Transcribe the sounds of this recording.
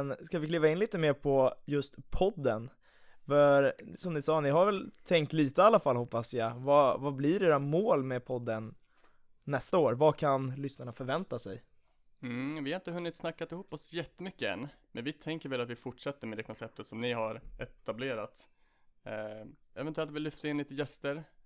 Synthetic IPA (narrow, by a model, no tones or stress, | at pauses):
nskavɪkʰliːvaɪnliːt̪əmeːɾpʰɔjɵst̪pʰɔd̪ːən | fɑɾsɔmnɪsɑːnɪɦaɾvɛlt̪ʰɛŋkt̪liːt̪əalːafalhɔpːasjɑvavablɪɖeːɾamoːlmepʰɔd̪ːənː | ɛst̪aoːɾvakʰanlʏsnaɳafœɾvɛnt̪asɛj | mvɪhaɾɪnt̪əɦɵnːɪt̪snakːat̪ɪhuːpːɔsjɛt̪ːəmʏkːəɛ̰nːmɛnvɪt̪ʰɛŋkəɾvɛlat̪vɪfʊʈʂɛt̪ːəɾmɛd̪ɛːkʰɔnsɛp̚t̪ət̪sɔmnɪɦaɾɛt̪ableːɾat̪ː | ɛvɛnt̪ɛlt̪vɪlʏft̪aɪnliːt̪əjɛst̪əɾ